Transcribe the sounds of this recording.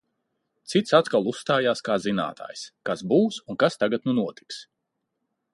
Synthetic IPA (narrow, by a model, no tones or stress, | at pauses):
t̪sit̪sat̪kalˠusːt̪aːjaːskaːzina̰ːt̪ʰa̰ːjskasbuːsunkast̪aɡat̪̚nunuɔt̪i̥ks